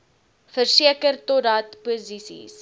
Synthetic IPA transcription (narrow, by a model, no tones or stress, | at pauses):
fərsiəkərtɔtɐtpuzisḭs